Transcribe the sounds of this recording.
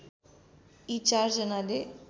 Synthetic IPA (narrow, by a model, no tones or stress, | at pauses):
it͡ʃaɾd͡ʒənale